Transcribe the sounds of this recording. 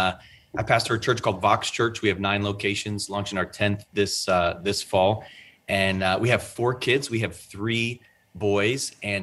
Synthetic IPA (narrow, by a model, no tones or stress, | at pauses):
ʔaɪpʰæstəə˞t͡ʃʰɜ˞t͡ʃkʰɔlˠdvɑkst͡ʃʰɜ˞t͡ʃwiɨvnãɪ̃nloʊkʰeɪʃɨ̃nzlɑ̃ŋt͡ʃɨ̃naʊə˞tʰɛ̃nθðɪsðɪsfɔlˠ | ʔɨ̃nwiɨv̥fɔɹkʰɪdzwiɨv̥θɹi | bɔɪzɨ̃n